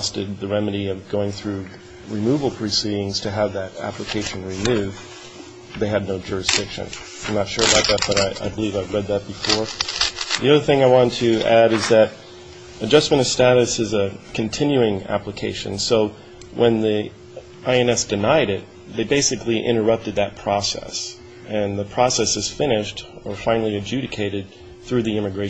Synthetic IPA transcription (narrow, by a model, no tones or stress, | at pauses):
stɨd̪̚ðɨɹɛmɨɾiʌvɡoʊɪ̃ŋθɹʉ | ɹɨmuvl̩ˠpʰɹ̥ɨsiɾɪ̃ŋz̥tʰɨəvðɨɾæ̰pləkʰeɪʃɨ̃nɹɨmʉv | ðeɪɨdⁿnoʊd͡ʒʊɹɨsd̥ɪkʃɨ̰̃n | ãɪ̃mnətʃʊɹəbaʊt̪̚ðɨt̚b̥ʌɾaɪʔa̰ɪbəlivaɪvɹɛd̪̚ðɨt̚b̥ɨfɔɹ | ðiʌðə˞θɪ̃ŋaɪwɑ̃ntʰɨæɾɨzðɨɾ̚ | ɨd͡ʒʌstmɨ̃ʌv̥stæɾɨsɨzɨkʰɨ̃n̩tʰɪ̃njʉɪ̃ŋæ̰pləkʰeɪʃɨ̰̃nsoʊ | wʔə̃nði | aɪɨ̃nɛsd̥ɨnaɪɾɪt̪̚ | ðeɪbeɪsɨkliʔɪ̰̃ɾ̃ə˞ʌp̚tɨd̪̚ðɨt̚pʰɹ̥ɔsɛ̰s | ɨ̃nðəpʰɹ̥ɔsɛsɨz̥fɪ̃nɪʃtə˞fãɪ̃nl̩ˠiɨd͡ʒʉɾɨkʰeɪɾɨd̪̚ | θɹʉðiɪ̃mɨɡɹeɪ